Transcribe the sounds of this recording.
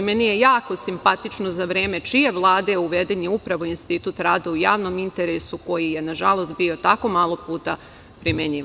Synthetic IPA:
menije̞jaːko̞simpat̪it͡ʃnozaʋɾe̞ːme̞t͡ʃije̞ʋlˠaːd̪euʋed̪eɲiupɾaʋoinst̪it̪ut̪ɾaːd̪oujaːʋno̞mint̪e̞ɾesuko̞jije̞naʒalˠo̞st̪̚bio̞t̪ako̞maːlˠo̞puːt̪a | pɾimeɲi

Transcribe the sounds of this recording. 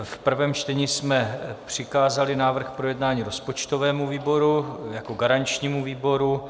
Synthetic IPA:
fpr̩vɛːmt͡ʃt̪ɛɲiːsmɛpr̝̥ɪkaːzalɪnaːvr̩xpɾo̞jɛdnaːɲiːɾo̞spo̞t͡ʃt̪o̞vɛːmuviːbo̞ɾujako̞ɡaɾaɲt͡ʃɲiːmuviːbo̞ɾu

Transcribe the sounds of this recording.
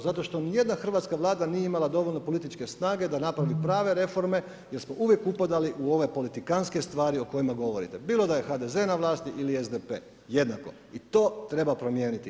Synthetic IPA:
zat̪o̞ʃt̪o̞nije̞d̪naxr̩ʋaːt̪skaʋlˠaːd̪anijeimalad̪o̞ʋo̞ʎʲno̞po̞lit̪it͡ʃke̞snaːɡe̞d̪anapɾaʋipɾaːʋe̞ɾe̞fo̞ɾme̞ | je̞ɾsmo̞ʔuʋje̞kupad̪aliʔuo̞ʋe̞po̞lit̪ikanske̞st̪ʋaːɾioko̞jimaɡo̞ʋo̞ɾḭt̪e̞biːlo̞d̪aje̞xad̪e̞ze̞naʋlˠaːst̪iʔiliezd̪epeː | je̞d̪nako̞̰ | it̪o̞ːt̪ɾe̞bapɾo̞mje̞ːnit̪i

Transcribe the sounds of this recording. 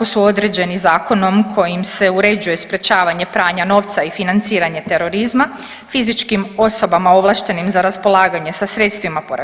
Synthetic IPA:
kosuo̞d̪ɾe̞d͡ʑe̞nizaːko̞no̞mkʰo̞jimse̞uɾe̞d͡ʑuje̞spɾe̞t͡ʃaːʋaɲe̞pɾaːɲano̞ʋt̪saifinant̪siːɾaɲe̞t̪e̞ɾo̞ɾizma | fizit͡ʃkimo̞so̞bamao̞ʋlˠaʃt̪e̞nimzaɾaspo̞lˠaːɡaɲe̞sasɾe̞t̪st̪ʋimapoɾa

